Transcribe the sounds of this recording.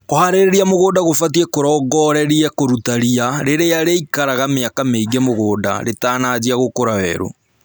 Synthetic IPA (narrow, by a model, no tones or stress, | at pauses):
kohaɾeɾeɾiamoɣoːdaɣofat̬iɛkoɾɔɡɔɾɛɾiɛkoɾutaɾiaɾeɾeaɾeikaɾaɣameakameiɡɛmoɣoːda̰ɾetaːnad͡ʑiaɣokoɾawɛ̰ɾo̰